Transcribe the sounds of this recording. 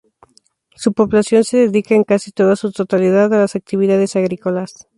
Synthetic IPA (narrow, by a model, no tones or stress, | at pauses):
supo̞βlasjo̞nse̞ðe̞ðikaeŋkasit̪o̞ðasut̪o̞t̪aliðaðalasak̚t̪iβiðað̞e̞saɣɾiko̞las